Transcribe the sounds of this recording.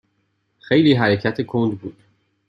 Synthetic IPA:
xe̞jliːɦæɾe̞cʰæt̪ʰekʰond̪buːd̪̥

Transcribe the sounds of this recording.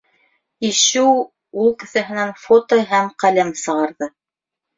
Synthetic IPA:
iʃɘw | ulˠkɘ̆θæɦɘ̆nænfot̪oɦæmqælæmsɤ̆ʁɑɾðɤ

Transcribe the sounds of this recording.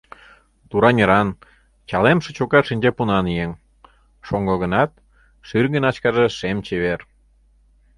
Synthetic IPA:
t̪uɾɑnʲeɾɑn | t͡ɕɑlemʃĕt͡ɕokɑt̪ʃinʲd͡ʑepunɑnijeŋ | ʃoŋɡoɣə̆nɑt̪̚ | ʃyrɣə̆nɑt͡ɕkɑʒeʃemt͡ɕeβer

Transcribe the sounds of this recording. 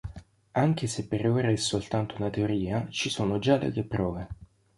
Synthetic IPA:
aŋk̟esepːeɾoːɾaɛsːolt̪ant̪ounat̪eoɾiːat͡ʃisoːnod͡ʒalḛk̪epːɾɔːve

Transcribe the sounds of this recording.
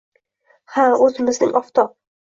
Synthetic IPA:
haɵzɪmɪznɪ̰ŋɒft̪ʰɒ

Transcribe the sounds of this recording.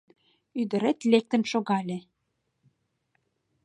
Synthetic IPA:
yd̪ə̆ɾet̪lek̚t̪ə̆nʃoɣɑlʲe

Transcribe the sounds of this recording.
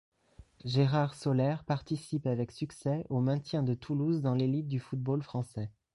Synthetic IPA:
ʒeʁaʁsɔlɛʁpaʁt̪isipavɛksyksɛomɛ̃t̪jɛ̃d̪ət̪ʰuluzd̪ɑ̃lelit̪̚d̪yfut̪̚bolfχɑ̃sɛ

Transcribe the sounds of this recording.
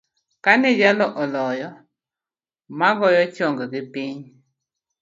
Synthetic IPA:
kanɛd͡ʒalɔʔɔlɔjɔ | maɣɔjɔt͡ʃɔŋɡəɡipiɲ

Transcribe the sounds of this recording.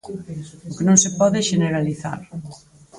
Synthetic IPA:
ʊkenõŋsepɔðɪʃeneɾaliθa̰ɾ

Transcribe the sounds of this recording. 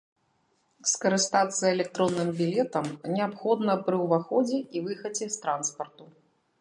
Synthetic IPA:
skɐɾɨst̪at̪sːɐɛlʲɛk̚t̪ɾɔnːɨmbʲilʲɛt̪ɐmnʲɛapxɔd̪nɐpɾɨwvaxɔd͡zʲɛʔivɨxɐd͡zʲɛst̪ɾanspɐrt̪u

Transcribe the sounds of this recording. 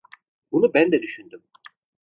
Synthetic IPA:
bunubænd̪ɛd̪yʃynd̪ym

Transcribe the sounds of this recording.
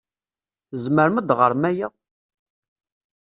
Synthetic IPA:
zməɾməd̪ʁəɾˤmæja

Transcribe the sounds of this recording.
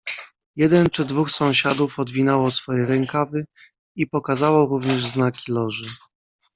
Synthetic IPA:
jɛd̪ɛnt͡ʂɘd̪vuxsɔ̃w̃ɕad̪ufɔd̪vʲinawɔsfɔjɛɾɛŋkavɘ | ipɔkazawɔɾuvɲɛʐznakʲilɔʐɘ

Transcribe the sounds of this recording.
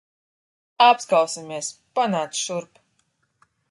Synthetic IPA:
apskawsimʲiɛspanaːsʃuɾp

